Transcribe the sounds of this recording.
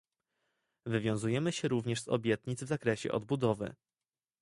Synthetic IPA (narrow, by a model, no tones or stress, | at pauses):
vɘvʲjɔ̃w̃zujɛmɘɕɛɾuvɲɛʂzɔ̰bʲjɛt̪ɲid̪zvzakɾɛɕɛ̰ʔɔ̰d̪̚bud̪ɔvɘ̰